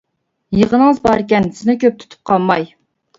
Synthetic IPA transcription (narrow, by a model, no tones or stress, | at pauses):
jəʁənəŋəzbɑɾɪkʲɛnsɪnɪkʲʰøp̚t̪ʰy̥t̪ʰy̥p̚qʰɑlˠmːɑj